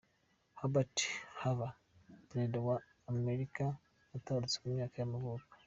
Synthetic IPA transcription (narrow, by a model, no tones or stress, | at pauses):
habati̥hava | nedewaː | meɾika | ataaɾit͡semumɲaːkajamaβuɡḁ